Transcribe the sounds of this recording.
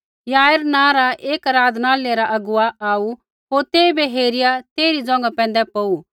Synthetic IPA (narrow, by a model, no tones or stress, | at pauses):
jaːeɾnãːɾaʔeːkɐɾaːd̪ʱnaːleɾaʔɐɡʊaaːu | ɦoːɾt̪eːibeɦeːɾɪjat̪eːɾid͡zɔ̃ːŋɡapɛ̃ːnd̪ɛpɐu